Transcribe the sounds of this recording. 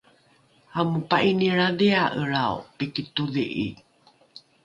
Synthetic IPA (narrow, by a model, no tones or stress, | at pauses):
amupaʔiniɾadiaʔəɾaṵpikituðiʔḭ